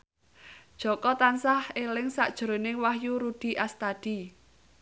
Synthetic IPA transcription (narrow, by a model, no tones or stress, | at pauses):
d̥ʒ̥ɔ̤kɔt̪ansahelɪŋsa̰ʔd̥ʒ̥əɾo̤nɪŋwahjuɾud̪̥i̤ʔast̪ad̪̥i̤